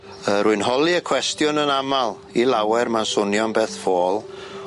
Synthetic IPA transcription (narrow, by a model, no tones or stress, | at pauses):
əɾuɨnɦɔlˠiəkʰwɛstjʊnənamalˠ | ilˠawɛrmansʊnjɔnbeːθfoːlˠ